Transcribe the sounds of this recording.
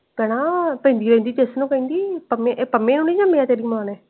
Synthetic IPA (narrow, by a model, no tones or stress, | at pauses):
kənãːpɛ̃ːnd̪iːɾɛ̃ːnd̪iːt̪eːsnũːkəĩːnd̪iːpəmẽʔpəmẽːnũːnĩːd͡ʒəmẽaːt̪eːɾiːmaːnɛː